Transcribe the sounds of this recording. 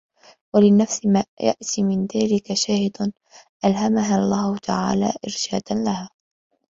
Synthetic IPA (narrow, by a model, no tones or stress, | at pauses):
walɪnːafsɪmaːja̰ʔt̪iːmɪnðaːlɪkaʃaːhɪd̪ | ʔalɦamaɦalˤːaːhʊt̪aʕa̰ːla̰ːʔɪɾʃaːd̪anlahaː